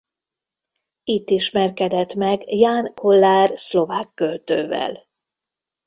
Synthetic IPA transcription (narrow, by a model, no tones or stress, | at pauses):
it̪ːiʃmɛrkɛd̪ɛt̪mɛɡjaːnko̞lːaːrslo̞vaːkːølt̪øːvɛ̰l